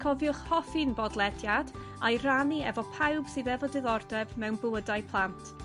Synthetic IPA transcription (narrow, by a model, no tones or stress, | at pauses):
kʰɔvjʊχhɔfɨnbɔdlˠɛdjad | a̰jraniɛvɔpʰawb̥sɨðɛvɔdɪðɔrdɛvmɛwnbəədajpʰlˠantʰ